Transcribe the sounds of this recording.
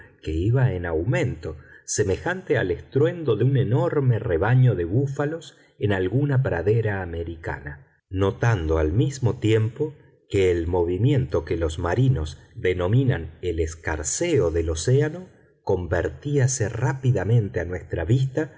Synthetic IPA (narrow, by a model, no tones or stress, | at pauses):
keiβaenawmẽ̞nt̪o̞se̞me̞xant̪ea̰lest̪ɾwe̞nd̪o̞ðeune̞no̞ɾmereβaɲo̞ðe̞βufalo̞s | enalɣunapɾaðeɾaːme̞ɾika̰na | no̞t̪and̪oalmizmo̞t̪je̞mpo̞ | keːlmo̞βimjẽ̞nt̪o̞kelo̞zmaɾino̞zd̪e̞no̞mĩnaneleska̰ɾseoðe̞lo̞seano̞ | ko̞mbeɾt̪iaserapiðamẽ̞nt̪eanwe̞st̪ɾaβist̪a